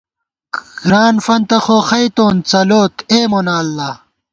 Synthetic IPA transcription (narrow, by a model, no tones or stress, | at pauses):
ɡɾaːnfɐnt̪ɐxoːxɐjt̪oːnt͡sɐloːt̪eːmonaːlːaː